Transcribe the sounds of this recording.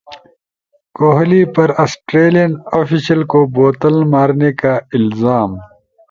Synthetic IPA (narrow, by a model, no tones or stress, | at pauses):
koːɦlipɐɾɐsʈɾeːlijɐnoːfisɐlkoboːt̪əlmaːɾnekaɪlzaːm